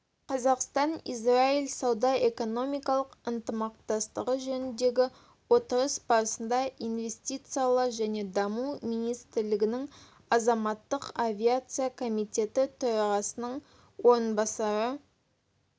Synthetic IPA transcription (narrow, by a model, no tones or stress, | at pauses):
qʰɑzɑqst̪ɑnḭsrailsɑwd̪ɑe̞ko̞no̞mijkɑlˠəqənt̪əmɑq̚t̪ɑst̪əʁəʒɵnɪnd̪e̞ɡʲɪ | wo̞t̪əɾəsbɑɾsənd̪ɑijnve̞st̪it̪sijalˠəʒæne̞d̪ɑmumijnijst̪ɪɾlɪɡʲɪnɪŋ | ɑzɑmɑt̪ːəqavʲiat̪sɨjakʰo̞mijt̪ʲe̞t̪ɪt̪ʰʊɾɑʁɑsənəɴ | wo̞ɾənbɑsɑɾə